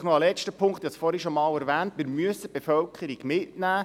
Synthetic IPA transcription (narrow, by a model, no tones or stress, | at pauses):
χnɔɑlɛt͡ʃtəpʰʊŋkt̪jɛsfɔɾiʃomɑːlɛɾʋæːntmɪːɾmyəsəb̥efœlkʰəɾiɡ̥mɪtnæː